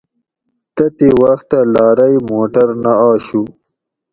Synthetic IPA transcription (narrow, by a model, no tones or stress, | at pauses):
t̪ɐt̪ewaxt̪ːalɑːɾɐjmoːʈɐɾnaaːɕu